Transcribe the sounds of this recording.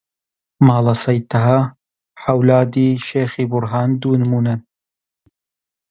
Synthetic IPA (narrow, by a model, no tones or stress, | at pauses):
mɑːlɐsɐjt̪ʰɐɦa | ħɐwlaːd̪iːʃeːxiːbʊɾɦɑːnd̪uːnɨmuːnɐ